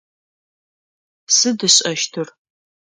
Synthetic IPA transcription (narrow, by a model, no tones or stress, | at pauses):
sɨdɨɕʼɐʃtʰɨr